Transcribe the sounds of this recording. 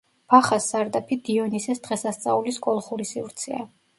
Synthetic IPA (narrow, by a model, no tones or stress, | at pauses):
b̥aχasːaɾd̪apʰid̪iɔnisɛsd̪̥ʁɛsast̪sʼa̰uliskʼɔlˠχuɾisivɾt̪sʰɛa